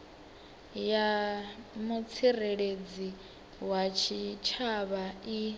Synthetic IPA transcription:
ja | mut͡sʰireɺed͡zi | wat͡ʃʰit͡ʃʰaβai

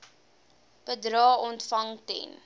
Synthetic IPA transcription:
pədɾɑːʔɔntfɐŋtɛ̰n

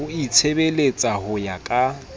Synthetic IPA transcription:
ʊit͡sʰebelet͡sʼahʊjakʼa

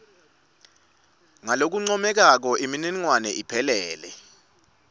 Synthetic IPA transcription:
ŋalok̬uŋ͡ǀɔmɛk̬ak̬ɔʔimininŋwanɛʔipʰɛlɛːlɛ

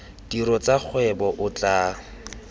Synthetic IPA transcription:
d̥iɾɔt͡sak͡xʰwɛbɔʔʊt͡ɬaː

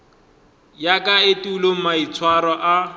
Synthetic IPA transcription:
jakaetuːlom̩mait͡sʰwaɾɔʔa

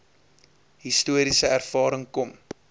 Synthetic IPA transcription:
ɦistuəɾisəærfɑːɾəŋkɔm

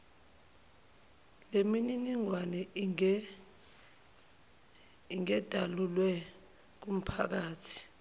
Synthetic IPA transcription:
lemininiŋwanɛ | iŋɛd̥ʱalulwɛ | k̬um̩pʰak̬aːtʰi̥

